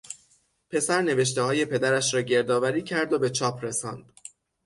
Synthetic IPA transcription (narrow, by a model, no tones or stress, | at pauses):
pʰe̞sæɾne̞ve̞ʃ̬t̪e̞hɒːje̞pʰe̞d̪æɾæʃɾɒːɟe̞ɾd̪ɒːvæɾiːcʰæɾd̪obe̞t͡ʃʰɒːpʰɾe̞sɒ̰ːnd̪̥